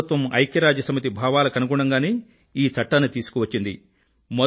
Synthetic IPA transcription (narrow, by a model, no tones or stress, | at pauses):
t̪ʋɐmɐ̰jkjɐɾaːd͡ʒjɐsɐmit̪̬ibʱaːʋaːlɐkɐnuɡuɳɐŋɡaːneː | iːt͡sɐʈːɐnɐt̪iːsu̥kuʋɐt͡ʃːind̪i | mɔ